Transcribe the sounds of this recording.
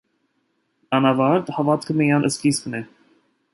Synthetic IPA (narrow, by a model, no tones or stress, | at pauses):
ɑnɑvɑɾt̪hɑvɑt̪kʰəmijɑnʔəskisknɛ